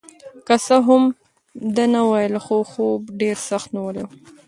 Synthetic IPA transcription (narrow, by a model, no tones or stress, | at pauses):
kasəɦʊm | d̪anawajəlxoxobɖeɾsaxt̪nawəlew